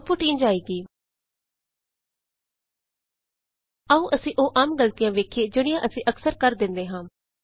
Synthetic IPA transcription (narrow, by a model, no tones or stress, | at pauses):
pʊːʈĩːnd͡ʒaːiːɡiː | əũːʔəsĩːʔoːʔaːmɡəlt̪ɪjãːʋeːkʰeːd͡ʒɪɽ̃ɪjãːʔəsĩːʔəksəɾkəɾd̪ɪ̃nd̪eːɦãː